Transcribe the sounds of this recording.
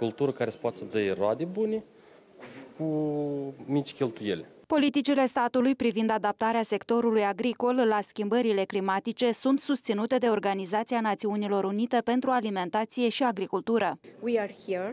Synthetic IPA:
ult̪uɾəkaɾesə̥poat̪e̥səd̪əjroad̪ebune | ku | mit͡ʃkʲelt̪ujḛlʲ | po̞lit̪it͡ʃile̞st̪at̪ulujpɾivind̪ad̪ap̚t̪aɾease̞kt̪o̞ɾulujaɡɾiko̞llaskʲimbəɾile̞klimat̪it͡ʃe̞sunt̪sust̪sinut̪e̞d̪e̞o̞rɡanizat̪sijanat̪siunilo̞ɾunit̪e̞pe̞nt̪ɾualime̞nt̪at̪sije̞ʃiaɡɾikult̪uɾəwiahiɹ

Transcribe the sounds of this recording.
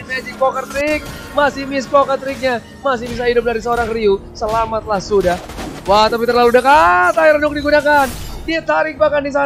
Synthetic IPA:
mɛd͡ʒɪk̚pokərt̪ɾɪk̚ | masɪhmɪs̬pokərt̪ɾɪk̚ɲa | mas̬ɪhmis̬aɦidʊp̚daɾis̬əoɾaŋriusəlamat̪̚lahsudah | wat̪ap̬it̪ərlaludəkat̪aiɾanʊk̚diɡunakandiat̪aɾɪk̚bakandis̬a

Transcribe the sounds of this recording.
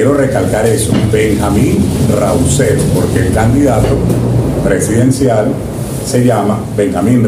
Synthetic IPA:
eɾo̞re̞kalkaɾe̞so̰be̞ŋxamĩnra̰ulseðpo̞ɾke̞ːlkand̪iðat̪o̞pɾe̞siðe̞nsjal | se̞ʝama̰ | be̞ŋxamĩn

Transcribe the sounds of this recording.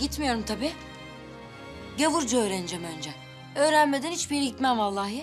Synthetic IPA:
ɟit̪mijo̞ɾumt̪ʰabiː | ɟavuɾd͡ʒuø̞ːɾend͡ʒɛmø̞nd͡ʒɛ | ø̞ːɾænme̞d̪ænhit͡ʃbiɾit̪mænvalˠːahja

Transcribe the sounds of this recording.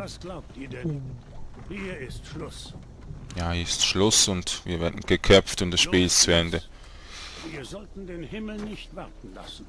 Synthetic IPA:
vasɡ̥laʊp̚tiːɐdɛn | hiːɐɪstʃlʊs | jaɪstʃlʊsʊntvḭːɐvɛːɐdn̩ɡ̥əkʰœp͡ftʊmd̥asʃpiːlst͡suɛndə | viːɐzɔltn̩deːnhɪml̩nɪçtv̥aʁtn̩la̰sn̩

